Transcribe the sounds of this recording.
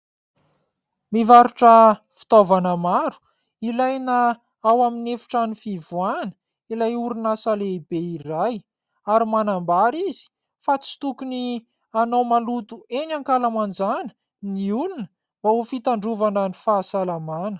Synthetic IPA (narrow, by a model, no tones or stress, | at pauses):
mivaɾuʈ͡ʂəfi̥t̪ovanəmaɾu̥ | ilajna | awaminefu̥ʈ͡ʂanifivuanə̥ | ilajuɾunasaleibeiraj | aɾimanambaɾizi̥ | fat͡si̥t̪ukuni | anawmalut̪uenaŋkalamand͡ʒanə̥ | niulunə̥ | vaufit̪aɳɖ͡ʐuvanənifaːsalamanə̥